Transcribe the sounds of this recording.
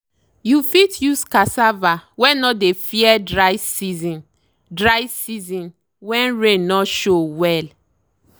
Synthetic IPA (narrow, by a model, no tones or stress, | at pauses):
jufitjuskasavawɛ̃nɔdefiɛdɹaɪsizĩn | dɹajsizĩn | wɛ̃nɹẽnnɔʃowɛl